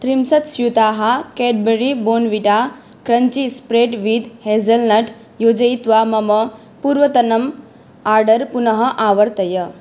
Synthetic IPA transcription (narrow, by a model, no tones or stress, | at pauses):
t̪ɾimsɐt̪sjut̪aːɦakeʈ̚beɾiboːnʋiʈa | kɾɐɲt͡ʃispɾeʈʋid̪heːzɐlnɐʈ | joːd͡ʒɐjt̪ʋaːmɐmɐ | puːɾʋɐt̪ɐnɐm | aːɾɖəɾpunɐɦɐ̆ʔaːʋəɾt̪ɐjə